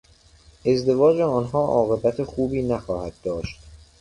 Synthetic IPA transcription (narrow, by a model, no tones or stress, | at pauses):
e̞zd̪e̞vɒːd͡ʒeɒːnɦɒːʔɒːɣe̞bæt̪ʰexuːbiːnæxɒːhæd̪ːɒːʃt̪